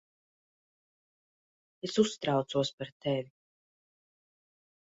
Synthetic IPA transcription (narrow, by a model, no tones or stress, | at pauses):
esusːt̪ɾawt̪suɔspaɾt̪evʲi